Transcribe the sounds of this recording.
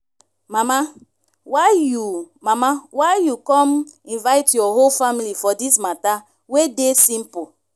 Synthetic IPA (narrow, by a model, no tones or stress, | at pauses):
mama | waju | mamawajukɔ̃mĩnvaɪtjɔɦolfamilifɔdismata | wedesĩmpo